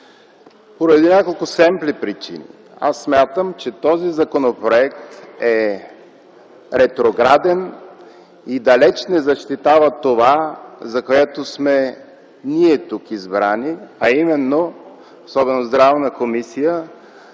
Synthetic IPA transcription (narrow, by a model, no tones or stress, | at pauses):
poɾɐd̪inʲakolˠkʊsɛmplipɾit͡ʃḭnʲḭ | a̰sːmʲjat̪əmt͡ʃɛt̪ɔzizɐkonopɾoɛkt̪ɛ | ɾɛt̪ɾoɡɾad̪ɛn | id̪ɐlɛt͡ʃnɛzɐʃt̪it̪avət̪ovazɐkoɛt̪osmɛ | niɛt̪ukizbɾaniɐimɛnːo | osɔbɛnozd̪ɾavnəkomisijə